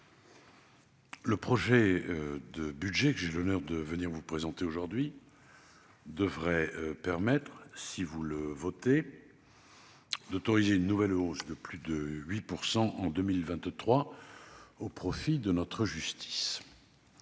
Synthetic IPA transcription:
ləpχɔʒɛd̪əbyd̪ʒɛkəʒelɔnœʁd̪əvəniʁvupχezɑ̃t̪eoʒuʁd̪ɥi | d̪əvʁɛpɛʁmɛt̪χsivuləvɔt̪e | d̪ot̪ɔʁizeynːuvɛlozd̪əplyd̪əɥipuʁsɑ̃ʔɑ̃d̪əmilvɛ̃t̪t̪χwa | opχɔfid̪ənɔt̪χəʒyst̪ʰi̥s

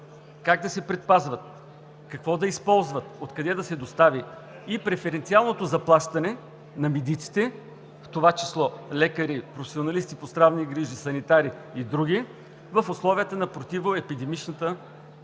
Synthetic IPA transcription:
kaɡ̚d̪ɐsɛpɾɛt̪̚pazvət̪̚ | kɐkvɔd̪ɐispɔlˠzvət̪ot̪kɐd̪ɛd̪ɐsɛd̪ost̪aviː | pɾɛfɛɾɛnt̪sialˠnot̪ozɐplˠaʃt̪ɐnɛ | nɐmid̪it̪si̥t̪ɛ | ft̪ovat͡ʃi̥slˠɔlɛkəɾipɾofɛ̥sionɐlist̪ipost̪ɾavniɡɾiʒisɐnit̪aɾiː | d̪ɾuɡ̟i | vəfoslˠɔviət̪ənɐpɾot̪ivoɛpid̪ɛmit͡ʃnət̪ə

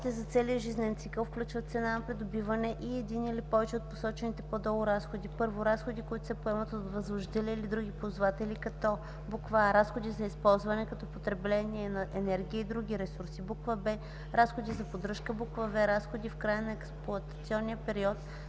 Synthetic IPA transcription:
t̪ɛzɐt̪sɛliəʒiznɛnt̪sikəlˠfklʲut͡ʃvət̪sɛnanɐpɾid̪obivənɛʔiɛd̪iniilipɔvɛt͡ʃɛot̪̚posɔt͡ʃɛnit̪ɛpod̪ɔɡʊɾasxod̪ipɤɾvoɾasxod̪ikoit̪ʊ̥sɛpoɛmɐt̪ot̪vɐzvoʒd̪ɛlɛilid̪ɾuɡ̟ipozvat̪ɛlikɐt̪ɔ | bukvaɾasxod̪izɐispɔlˠzvɐnɛkɐt̪ɔpot̪ɾɛblɛniɛnɐʔɛnɛɾɡʲiəid̪ɾuɡ̟ʲiɾɛsuɾsibukvəbɛ | ɾasxod̪izɐpod̪ɾɤʃkəbukvɐbɛɾasxod̪ifkɾajənɐɛksplˠʊɐt̪ɐ̥t̪siɔnːijəpɛɾiɔt̪

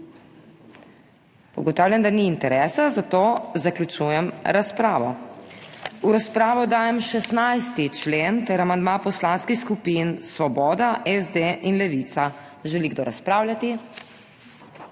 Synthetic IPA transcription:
ṵɡɔt̪aːwlʲjʲand̪aniːnt̪ɛɾɛːsazat̪ozaklut͡ʃujɛmɾaspɾaːʋɔ̰ | uɾaspɾaːʋɔd̪aːjɛmʃɛsnajst̪it͡ʃlent̪ɛɾamand̪mapɔslanskixskupinsʋɔbɔːd̪aʔɛzd̪eʔinlɛʋit̪sa | ʒɛliɡ̚d̪oːɾaspɾaːwlʲjat̪i

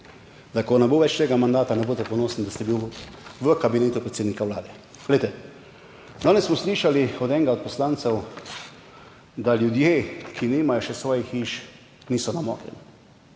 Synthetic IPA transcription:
d̪akɔnɛboʋɛt͡ʃt̪eːɡamand̪aːt̪anɛboːt̪ɛpɔnoːsnid̪ast̪ɛbiwʋəkabineːt̪upɾet̪seːd̪nikawla̰ːd̪ɛ | ɡ̥lejt̪ɛ | d̪aːnɛssmɔsliːʃaliɔd̪ɛŋɡaɔt̪̚pɔslant̪sɛw | d̪aljud̪jeːkʰiniːmajɔʃɛsʋɔːjixiʃ | niːsɔnamɔ̰ːɡlɛ̰ni

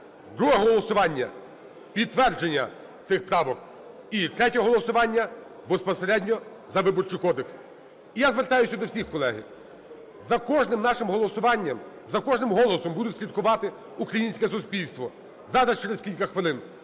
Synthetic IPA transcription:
d̪ɾuɦɛɦɦɔlˠɔsʊʋɑnʲːɐ̰ | pʲid̪ːʋɛrd͡ʒenʲːɐ̰ | t̪sɪxpɾɑʋɔk̚ | it̪ɾɛtʲɔɦɔlˠɔsʊʋɑnʲːɐbespɔseɾɛdʲnʲɔ | zɐʋɪbɔrt͡ʃʊjkɔd̪eks | ijazʋert̪ɑjʊsʲɐd̪ɔwsʲixkɔlˠɛɦɪ̰ | zɐkɔʒnɪmnɑʃɪmɦɔlˠɔsʊʋɑnʲːɐm | zɐkɔʒnɪmɦɔlˠɔsɔmbud̪ʊtʲsʲlʲit̪kʊʋɑt̪ɪ | ukɾɐjinʲsʲkɛsʊsʲpʲilʲst̪ʋɔ | zɑɾɐst͡ʃeɾeskʲilʲkɐxʋɪlˠɪn

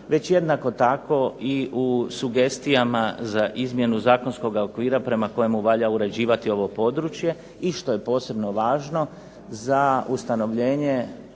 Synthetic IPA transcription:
ʋe̞t͡ɕje̞d̪nako̞t̪ako̞iusuɡe̞st̪ijamazaʔizmje̞nuzaːkonsko̞ɡaokʋiːɾapɾe̞mako̞jemuʋaʎauɾe̞d͡ʑiːʋat̪io̞ʋo̞po̞d̪ɾut͡ʃje̞ | iʃt̪o̞je̞po̞ːse̞bno̞ʋaːʒno̞ | zaust̪ano̞ʋʎe̞ːɲe̞

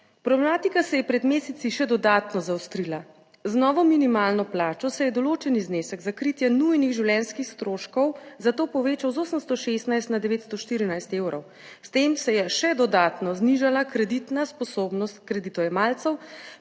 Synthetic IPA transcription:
pɾɔblɛmaːt̪ikasɛjɛpɾɛd̪meːsɛt̪iʃɛd̪ɔd̪aːt̪nɔzawst̪ɾila | znɔːʋɔminimaːlnɔplaːt͡ʃɔsɛjɛd̪ɔloːt͡ʃɛnizneːsəɡzakɾit̪jɛnujniɣʒiwljɛnskixst̪ɾoːʃkɔwzat̪oːpɔʋeːt͡ʃawzoːsəmst̪ɔʃest̪najst̪nad̪ɛʋeːt̪st̪ɔʃt̪iːɾinajst̪eːwɾɔ̰w | st̪eːmsɛjɛʃɛd̪ɔd̪aːt̪nɔzniʒalakɾɛd̪it̪naspɔsoːbnɔst̪̚kɾɛd̪it̪ɔjɛmaːlt̪sɛw

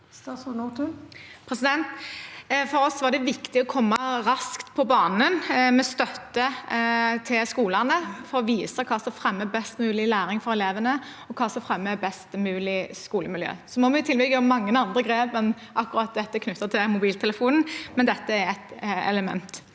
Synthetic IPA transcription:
st̪ɑsut̪ʰːpʰɾɛsɪd̪ɛnt̪ | fɔɾɔsːʋæʁd̪ɛʋɪkt̪ɪɔkʰɔmːɑɾɑskt̪pʰɔbɑːnənmɛst̪œt̪ːə | t̪ʰɪlskuːləʁnəfɔɾɔʋiːsəkʰɑːsɔfɾɛmːəbɛst̪mʉːlɪlæːɾɪŋfɔɾɛleːʋənə | ɔkʰɑːsɔfɾɛmːəbɛst̪mʉːlɪskuːləmɪljø̰ːsɔmɔmɛɪt̪ʰɪlbɪɡəɔmːɑŋːənɑnd̪ɾəɡʁeːpmən | ʔɑkːʊɾɑt̪̚d̪ɛt̪ːəkʰnʉt̪ːət̪ʰɪlmʊbiːlt̪ʰɛləfuːnn̩mɛnd̪ɛt̪ːəæɾæɪt̪ɛ̰ləmɛ̰nt̪

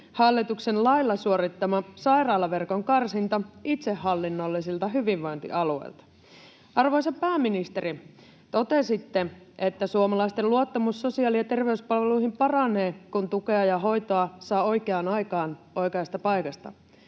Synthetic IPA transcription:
hɑlːit̪uksenlɑilːɑsuoɾit̪ːɑmɑsɑjrɑːlɑʋerkoŋkɑrsint̪ɑit̪sehːɑlːinːolːisilt̪ɑɦyʋiʋʋojnt̪ḭʔɑluḛḭlt̪ɑ̥ | ɑrʋo̞jsɑpæːmːinist̪eɾi | t̪o̞t̪esit̪ːe | ʔet̪ːæsuomɑlɑist̪eluot̪ːɑmusːo̞siɑːliɑt̪e̞rʋe̞yspɑlʋeluiɦimpɑrɑne̞ːkunt̪ukeɑjɑɦo̞jt̪oɑsɑːo̞jkeɑːnɑjkɑːnʔo̞jkeɑst̪ɑpɑjkɑst̪ɑ̰

